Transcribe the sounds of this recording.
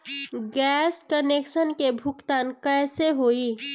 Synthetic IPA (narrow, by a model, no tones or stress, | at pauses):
ɡɛːskənekʃənkebʱʊkt̪aːnkɛːseɦoːi